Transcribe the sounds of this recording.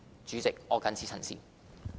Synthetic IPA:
t͡syː˨˧˥t͡sɪ˨k̚ɔː˨˧kɐ˨˧nt͡sʰiː˨˥t͡sʰɐ˨˩nsḭː˨

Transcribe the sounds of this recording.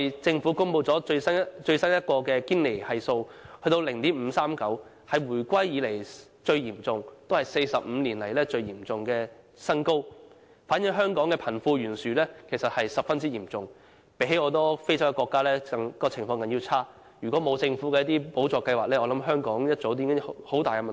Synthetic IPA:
t͡sɪ˧ŋfu˨˥kʊ˥ŋpo˧wt͡sɔː˨˥ɵ˧st͡ʃɵ˧ɥsɐ˥njɐ˥t̚kɔː˧kɛː˧kiː˥nle˨˩jhɐ˨jso˧whɵ˧ɥt̪̬o˧wlɪ˨˩ŋt̪iː˥m̩ː˨˧saː˥mkɐ˨˥w | hɐ˨jwuː˨˩jkʷɐ˥jjiː˨˧le˨˩j | t͡ʃɵ˧ɥjiː˨˩mt͡sʊ˧ŋt̪o˥whɐ˨˩jse˧jsɐ˨p̚m̩˨˧liː˨˩nlɐ˨˩jlɛː˥t͡ʃɵ˧ɥjiː˨˩mt͡sʊ˨ŋkɛː˧ | sɐ˥nko˥w | faː˨˥nji˨˥ɦœː˥ŋkɔː˨˥ŋkɛː˧pʰɐ˨˩nfuː˧jyː˨˩nsyː˨˩lɛː˥kʰe˨˩jsɐ˨t̚hɐ˨jsɐ˨p̚fɐ˥nt͡si˥jiː˨˩mt͡sʊ˨ŋ | pe˨˧˥ɦe˧˥jɔː˨˧t̪ɔː˥fe˥jsɐ˥wkɛ˧kʷwɔː˧kːaː˥lɛː˥ɐ˨ŋ˥kɔː˧t͡sʰɪ˨˩ŋfɔː˧ŋkɐ˨˥nji˧wt͡sʰaː˥ | jyː˨kʷwɔː˨˥mo˨˧wt͡sɪ˧ŋfuː˨˥kɛ˧jɐ˥t̪iː˥po˨˥wt͡ʃɔː˨˧kɐ˧jwaː˨k̚lɛː˥ɔː˧lɐ˨˥mɦœː˥ŋkɔː˨˥ŋjɐ˥t̚t͡so˨˥wt̪̬iː˨˥ŋɪ˥hho˨˥wt̪aː˨jkɛ˧m˨n˨

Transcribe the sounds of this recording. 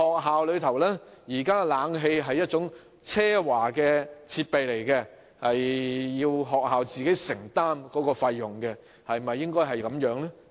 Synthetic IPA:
hɔː˨k̚ɦaː˨wlɵ˨˧ɥt̪ʰɐ˨˩wlɛː˥jiː˨˩kaː˥laː˨˧˥ŋɦe˧jɦɐ˨jːɐ˥t̚t͡sʊ˨˥ŋ | t͡sʰɛː˥waː˨˩kɛː˧t͡sʰiː˧t̚pe˨jle˨˩jkɛ˧ | hɐ˨jːiː˧wɦɔː˨k̚ɦaː˨wt͡siː˨ke˨˥jsɪ˨˩ŋt̪aː˥mkɔː˨˥kɔː˧fɐ˧jːʊ˨˩ŋkɛ˧ | hɐ˨jmɐ˨jːɪ˥ŋkɔː˥jɦɐ˨˩jkɐ˨˥mjœː˨˥ŋlɛ˥

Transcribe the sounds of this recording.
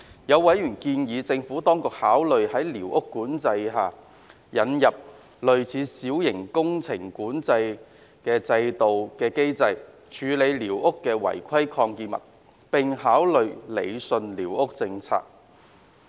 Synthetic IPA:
jɐ˨˧wwɐ˨˥jɥyː˨˩nkiː˧njiː˨˧t͡sɪ˧ŋfuː˨˥t̪ɔː˥ŋkʊ˨k̚haː˨˥wlɵ˨ɥhɐ˨˥jliː˨˩wʔʊ˥kːuː˨˥nt͡sɐ˧jɦaː˨˩ | jɐ˨˧njɐ˨p̚ | lɵ˨ɥt͡sʰiː˨˧siː˨˥wjɪ˨˩ŋkʊ˥ŋt͡sʰɪ˨˩ŋkuː˨˥nt͡sɐ˧j | kɛː˧t͡sɐ˧jt̪o˨wkɛː˧ke˥jt͡sɐ˧j | t͡ʃʰyː˨˧le˨˧jliː˨˩wʔʊ˥kːɛː˧wɐ̰˨˩jkʷʰɐ˥jkʰɔː˧ŋkiː˧mɐ̰˨˩t̚ | pɪ˨ŋɦaː˨˥wlɵ˨ɥlḛ˨˧jsɵ˧nliː˨˩wʊ˥k̚t͡sɪ˧ŋt͡sʰa̰ː˧k̚

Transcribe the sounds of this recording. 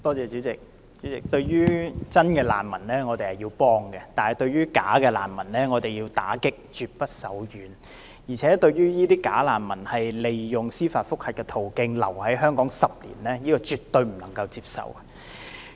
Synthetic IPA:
t̪ɔː˥t͡sɛː˨˧t͡ʃy˨˥t͡sɪ˨k̚ | t͡ʃyː˨˥t͡sɪ˨˩k̚t̪ɵ˧ɥjyː˥t͡sɐ˥nkɛ˧la̰ː˨˩nmɐ˨˩nlɛː˥ŋɔː˨˧t̪e˨jhɐ˨jiː˧wpɔː˥ŋɡɛ˧t̪aː˨nhɐ˨˩jt̪ɵ˧ɥyː˥ka̰ː˨˥kɛː˧laː˨˩nmɐ˨˩nlɛː˥ŋɔː˨˧t̪e˨˩jiː˧wt̪aː˨˥kɪ˥k̚t͡ʃyː˨˧t̚pɐ˥t̚sɐ˨˥wjyː˨˥n | jiː˨˩t͡sʰɛː˨˥t̪ɵ˧ɥjyː˥jiː˥t̪iː˥kaː˨˥laː˨˩nmɐ˨˩nhɐ˨jle˨jjʊ˨ŋsiː˥faː˧t̚fʊ˥k̚hɐ˨t̚kːɛ˧t̪ʰo˨˩wkɪ˧ŋlɐ̰˨˩whɐ˨˥jɦœː˥ŋkɔː˨˥ŋsɐ˨p̚lḭː˨˩nlɛː˥jiː˥kɔː˧t͡ʃyː˨t̪ːɵ˧ɥm̩˨˩nɐ˨˩ŋkɐ˧wt͡siː˧p̚sɐ̰˨w

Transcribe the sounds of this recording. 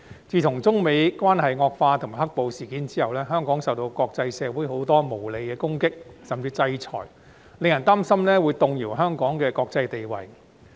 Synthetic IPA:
t͡siː˨˧t̪ʰʊ˨˩ŋt͡sʊ˥ŋme˨˧jkʷwaː˥nhɐ˨jŋɔː˧k̚faː˧t̪ʰŋma˨˩hɐ˥k̚po˨wsiː˨˩kiː˨˥nt͡siː˥hɐ˨wlɛː˥ɦœː˥ŋkɔː˨˥ŋsɐ˨wt̪o˧wkɔː˧k̚t͡sɐ˧jsɛː˨˧wu˨˥jɦo˨˥wt̪ɔː˥mo˨˩wle˨˧kɛː˧kʊ˥ŋkɪ˥k̚sɐ˨mt͡siː˧t͡sɐ˧jt͡sʰɔ̰ː˨˩j | le˨ŋjɐ˨˩nt̪aː˥msɐ˥mnɛː˥wuː˨˧jt̪ʊ˨ŋjiː˨˩wɦœː˥ŋkɔː˨˥ŋkɛː˧kɔː˧k̚t͡sɐ˧jt̪e˨jwɐ̰˨˩j

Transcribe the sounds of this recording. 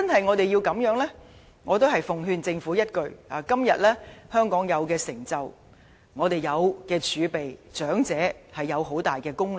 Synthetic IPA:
t͡sɐ˥nhɐ˨jŋɔ˨˧t̪e˨jiː˧wkɐ˨˧˥mjœː˨˥ŋlɛ˥ | ŋɔː˨˧t̪̬o˥wɦɐ˨jfʊ˨ŋɦyː˧nt͡sɪ˧ŋfuː˨˥jɐ˥t̚kɵ˨˧ɥaː˨kɐ˥mjɐ˨t̚lɛː˥hœː˥ŋkɔː˨˥ŋjɐ˨˧wkɛː˧sɪ˨˩ŋt͡sɐ˨w | ŋɔː˨˧t̪e˨˩jjɐ˨˧wkɛː˧t͡ʃʰyː˨˧pe˨˩jt͡ʃœː˨˥ŋt͡sɛː˨˥hɐ˨jːɐ˨˧wɦo˨˥wt̪aː˨˩jkɛː˧kʊ˥ŋl

